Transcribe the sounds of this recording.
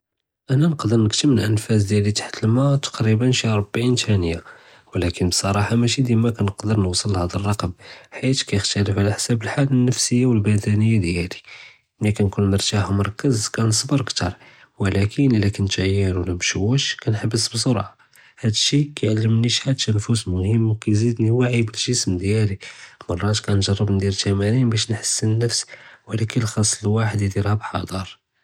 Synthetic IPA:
ʔænænəqd̪əɾˤnəkt̪əməlʔənfæs̬d̪jælit̪ḁħt̪əlmæt̪ɑ̥qɾibənʃɾˤobːʕint̪ænəjːa | wlækənbsˤɑɾˤɑħamæʃid̪jæmækænəqd̪əɾˤnwsˤəlhæd̪ərˤːɑqəmħit̪kæjəxt̪ɑɾəfʕalaħsæbəlħalənːəfsəjːawəlbæd̪ænəjːad̪jæli | ʔnːækænkunmɑɾˤt̪ahmɑɾˤkːəzkænəsˤbəɾəkt̪ɑ̰ɾˤ | wəlækʰənəlːækənt̪ʕəjːənwlæmʃuwəʃkænħəbːəsbsoɾˤʕa | hæd̪əʃikæjʕalːəmniʃħad̪ʃænfusmʊhəmːwkæjzid̪niwaʕibəlʒəsmd̪jælimɑrˤːɑt̪kænʒɑrˤːəbnd̪iɾt̪æmæninbæʃnħə̥sːənːəfswəlækəlxɑsˤːləlwaħəd̪d̪iɾhæbħɑ̰d̪ˤɑɾˤ

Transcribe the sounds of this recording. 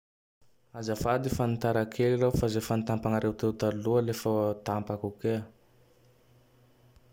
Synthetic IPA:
azafad̪ifanit̪aɾakʰelirawfazefanit̪ampaŋaɾewt̪ewt̪alualefət̪ampakuke

